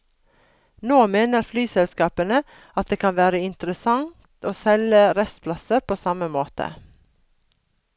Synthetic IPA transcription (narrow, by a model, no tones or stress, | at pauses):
noːmeːnəɾflyːsɛlskɑːpənə | ɑt̪̚d̪eːkʰɑnʋæːɾəɪnt̪ɾəsɑŋt̪ʰoːsɛləɾɛst̪pʰlɑsəɾpʰoːsɑməmoːt̪ə̰